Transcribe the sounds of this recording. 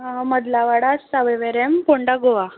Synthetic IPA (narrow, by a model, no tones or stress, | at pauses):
ɦaməd̪laʋaɽasaʋeʋeɾempoɳɖaɡoʋa